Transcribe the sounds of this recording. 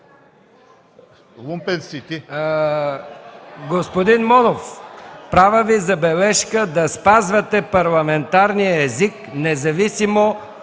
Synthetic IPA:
lˠumpɛnsit̪i | ɡospod̪inmɔnofpɾavəvizɐbɛlɛʃkəd̪ɐspazvɐt̪ɛpɐɾlˠɐmɛnt̪aɾnijəɛzik | nɛzɐvisimo

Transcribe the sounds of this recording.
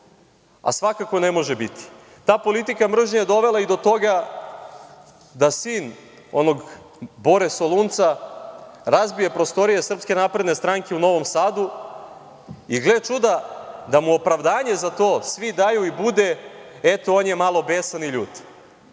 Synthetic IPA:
a̰sʋakakonemo̞ʒebit̪i̥ | t̪aːpo̞lit̪ikamr̩ʒɲajed̪o̞ʋe̞laid̪o̞t̪o̞ɡa | d̪asiːn | o̞no̞ɡ | bo̞ɾesolˠunt̪sa | ɾazbije̞pɾo̞st̪o̞ɾije̞sr̩pske̞naːpɾe̞d̪ne̞st̪ɾaŋke̞uno̞ʋo̞msaːd̪u | iɡlet͡ʃud̪ad̪amuo̞pɾaʋd̪aːɲe̞zat̪o̞ːsʋid̪ajuibud̪eet̪oonjemalo̞beːsaniʎuːt̪

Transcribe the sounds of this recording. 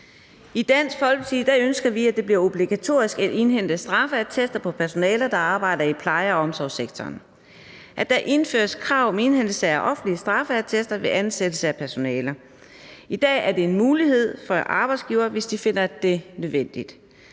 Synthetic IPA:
id̥æn̰sfɒ̽lɡ̥sʰid̥æønsɡ̥ɐʋiæd̥e̝b̥liɐo̝b̥liɡ̥æt͡sʰo̝ɐ̰isɡ̥æd̥e̝nɦen̰d̥əsd̥ʁɑ̈fəæɐt͡sʰesd̥ɐpʰɒ̽pʰæɐso̝nɛːlɐd̥ɑ̈ɑ̈ːb̥ɑ̈ɪ̰dɐipʰlɑ̈ɪɐɒɒ̽msɒʊseɡ̥t͡sʰɒ̰ːn | ʔæd̥æʔe̝nfø̰ːɐskʰʁɑ̈ʊ̰mee̝nhen̰l̩səʔɒ̽fn̩liəsd̥ʁɑ̈fəæɐt͡sʰesd̥ɐʋe̝ʔænsed̥l̩səæpʰæɐso̝nɛːlɐ | id̥ɛ̰ːæɐde̝e̝nmuːlihe̝ð̞̰ˠfɒʔɑ̈ːb̥ɑ̈ɪdsɡ̥iːʊɐːʋe̝sd̥ife̝n̰ɐd̥e̝nøðˠʋen̰d̥id̥

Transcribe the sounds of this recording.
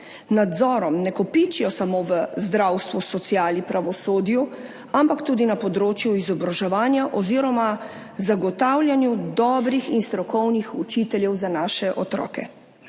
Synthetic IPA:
nad̪zɔːɾɔmnɛkɔpit͡ʃijɔsamoːʋəzd̪ɾawst̪ʋusɔt̪sijaːlnipɾaʋɔsoːd̪ju | ampakt̪uːd̪inapɔd̪ɾoːt͡ʃjuizɔbɾaʒɛʋaːnjaʔɔziːɾɔma | zaɡɔt̪awlʲjanjud̪ɔːbɾixinst̪ɾɔkɔwnixut͡ʃiːt̪ɛljɛwzanaːʃɛʔɔt̪ɾɔ̰ːkɛ̰

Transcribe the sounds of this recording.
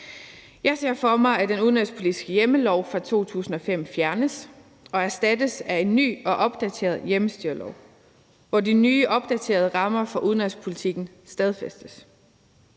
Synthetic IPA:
jɑ̈ɪse̝ɐ̰fɒ̽mɑ̈ɪæd̥enuðˠnɒlspʰo̝lid̥isɡ̥əjeməlɒʊ̰fʁɑ̈t͡sʰo̝̰ːt͡sʰṵːsn̩ɒ̽fem̰fjæɐnəs | ɒ̽æɐsd̥æd̥əsæe̝nːy̰ːɒ̽ʔɒ̽b̥d̥æt͡sʰe̝̰ːɐðˠjeməsd̥yɐlɒʊ̰ | ʋɒdinyːʔɒ̽b̥̚d̥æt͡sʰe̝̰ːɐð̞ˠəʁɑ̈mɐfɒʔuð̞ˠnɒlspʰo̝lit͡sʰiɡ̥n̩ | sd̥æð̞ˠfesd̥əs

